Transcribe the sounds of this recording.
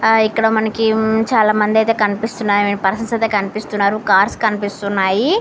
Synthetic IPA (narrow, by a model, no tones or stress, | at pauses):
ikːɐɽɐmɐnɐkit͡ʃaːlaːmɐnd̪iɐjt̪e̞ːkɐnipist̪unːaːjɐenpɐɾɐsɐmsɐjt̪eːkɐnipist̪unːaːɾukaːɾskɐnipist̪unːaːji